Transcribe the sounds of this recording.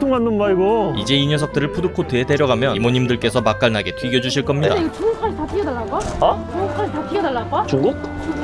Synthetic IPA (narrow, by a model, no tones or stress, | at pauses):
oŋmandɯnbaiɡoid͡ʑe̞iɲʌsʰʌk̚t͈ɯɾɯɭpʰudɯkʰotʰɯɦete̞ɾjʌɡamjʌnimoɲimdɯɭk͈e̞sʰʌmak͈aɭnaɡe̞tʰwɥiɡjʌd͡ʑuɕʰiɭk͈ʌmɲidaiɡet͡ɕuŋukʰaɭtapʰiɡedaɭːaɡaat͡ɕuukʰaɭtapʰiɡedaɭːaɡat͡ɕuŋɡuk̚